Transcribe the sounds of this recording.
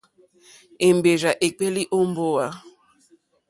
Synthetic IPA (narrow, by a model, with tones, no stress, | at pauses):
e˨m˨be˨ɾa˨ʔe˨k͡pe˦li˦ʔo˦m˦bo˦wa˦